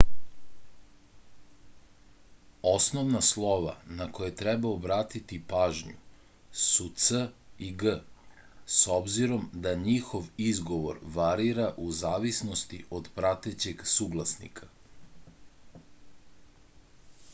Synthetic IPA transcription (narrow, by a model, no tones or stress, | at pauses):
o̞snoʋnaslˠo̞ʋa̰nako̞jet̪ɾɛbaobɾaːt̪it̪ipaːʒɲṵ | sut̪səiɡə | sobziɾo̞md̪aɲixo̞ʋizɡo̞ʋo̞̰ɾʋaɾiɾaʔuzaːʋisno̞st̪iʔo̞d̪pɾat̪et͡ɕeɡsuːɡlˠasnḭkʰḁ